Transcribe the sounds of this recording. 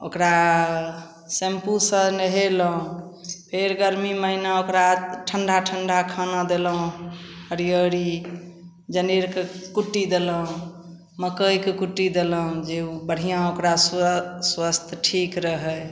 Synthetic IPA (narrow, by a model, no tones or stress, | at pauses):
o̰kɾa | sempusəneɦeləɦũpʰeɾɡəɾmiməinaokɾaʈʰəɳɖʱaʈʰəɳɖʱakʰənad̪elɦũhəɾijəɾi | d͡ʒəneɾkekuʈːid̪eləɦũ | məkəjkekuʈːid̪eləɦũd͡ʒeubəɽ̤ijãokɾasswəst̪ʰʈʰikɾəɦə